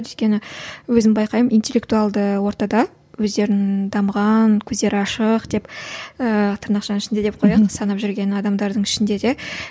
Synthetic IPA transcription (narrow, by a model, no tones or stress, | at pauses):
ʏt̪̚ʲkʲe̞nɪwɵzɪnbɑjqɑjəmijnt̪e̞lʲːe̞k̚t̪uɑlˠd̪əwo̞ɾt̪ɑd̪ɑ | wɵzd̪e̞ɾɪnd̪ɑmʁɑnkʲʰɵzd̪e̞ɾɪɑʃəqd̪̥e̞pət̪ʰəɾnɑqʃɑnɪʃɪnd̪e̞d̪ep̚qʰo̞jɑqsɑnɑpʒʏɾɡʲe̞nɑd̪ɑmd̪ɑɾd̪əɴɪʃɪnd̪e̞d̪e̞